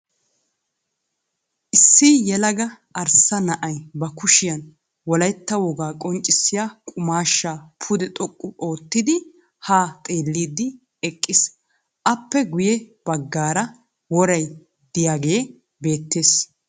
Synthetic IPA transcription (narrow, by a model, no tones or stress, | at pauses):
ʔɪsːijɛlɐɡɐ | ɐɾsɐnɐʔɐjbɐkʊʃɪjɐn | wɔlɐjt̪ːɐwɔɡaːkʼɔnt͡ʃʼɪsːɪjaːkʼʊmaːʃːaːpʰʊd̪ɛt̪ʼɔkʼːʊo̞ːt̪ːɪd̪ɪ | haːt̪ʼe̞ːlːiːd̪ɪ | ɛkʼːɪs | ʔɐpːɛɡʊjɛb̥ɐɡːaːɾɐ | wɔɾɐj | d̪ɪjaːɡejː | be̞ːt̪ːe̞ːs